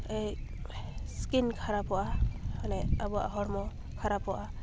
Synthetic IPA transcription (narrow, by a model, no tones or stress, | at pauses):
ej | skinkʰaɾapɔʔahanɛabɔa̰ɦɔɾmɔ | kʰaɾapɔʔa